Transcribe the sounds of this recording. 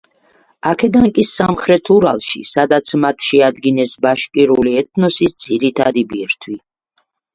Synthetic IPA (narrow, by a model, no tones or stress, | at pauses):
akʰɛd̪aŋkʼisamχɾɛt̪ʰuɾa̰lˠʃḭsad̪at̪sʰmat̪ʰʃɛad̪ɡinɛsbaʃkʼiɾuliɛt̪̚ʰnɔsisd̪z̥iɾit̪ʰad̪ibiɾt̪ʰwi